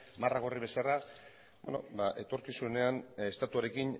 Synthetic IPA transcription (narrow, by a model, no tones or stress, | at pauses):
maraɣo̞riβe̞sara | bḛno̞̰baʔe̞t̪o̞ɾkisune̞anest̪at̪uaɾe̞kin